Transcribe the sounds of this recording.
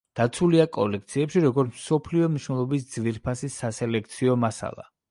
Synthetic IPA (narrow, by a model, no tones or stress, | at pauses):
d̪̥at̪sʰuliakʼɔlɛk̚t̪sʰiɛpʃiɾɔɡɔɾt̪ʰmsɔpʰliɔmniʃwnɛlˠɔbisd̪zviɾpʰasisːasɛlɛk̚ʰt̪sʰiɔmasa̰lˠa̰